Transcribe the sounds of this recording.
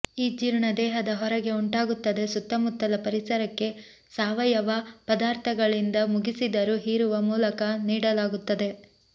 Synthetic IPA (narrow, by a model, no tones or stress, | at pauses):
iːd͡ʒiɾɳɐd̪ɛːɦɐd̪ɐɦɔɾɐɡe̞uɳʈaːɡut̪ːɐd̪e̞sut̪ːɐmut̪ːɐlɐpɐɾisɐɾɐkːe̞ | saːʋɐjɐʋɐpɐd̪aːɾt̪ʰɐɡɐɭind̪ɐmuɡisid̪ɐɾuɦiːɾuʋɐmuːlɐkɐniːɽɐlaːɡut̪ːɐd̪e̞